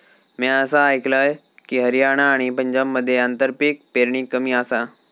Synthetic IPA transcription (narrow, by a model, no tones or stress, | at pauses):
miəsaːjklaj | kiɦəɾijaɽ̃aːɽ̃ipə̃ɲd͡ʑamːəd̪ʱːjeant̪əɾpik̚peɾɳiːkːəmiːasa